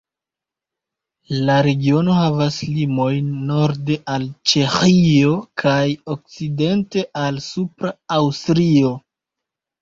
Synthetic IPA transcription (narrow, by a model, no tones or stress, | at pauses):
laɾe̞ɡio̞no̞havaslimo̞jnːo̞ɾde̞ʔalt͡ʃe̞xio̞kʰajo̞k̚t͡side̞nte̞ʔalsupɾaawstɾio̞